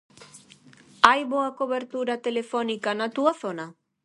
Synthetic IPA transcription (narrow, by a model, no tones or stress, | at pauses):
ajβoako̞βe̞ɾt̪uɾat̪e̞le̞fo̞nikanat̪uaso̞na